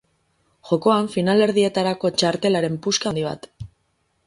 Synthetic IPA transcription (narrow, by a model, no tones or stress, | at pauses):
ʝo̞ko̞aɱfinale̞ɾð̞ie̞t̪aɾako̞t͡ʃaɾt̪e̞laɾe̞mpuskand̪iβ̞a̰t̪